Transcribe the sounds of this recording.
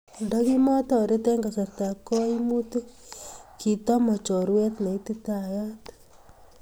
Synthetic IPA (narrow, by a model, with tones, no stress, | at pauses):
ndɔ˦ki˦mɔ˦tɔ˨ɾe˦te˦ŋɡa˨sa˨ɾta˨ko˦i˦mu˦tu˦ki˨tɔ˦mɔ˨t͡ʃɔ˨ɾwe˦tna˨i˦ti˦ta˨ja˦t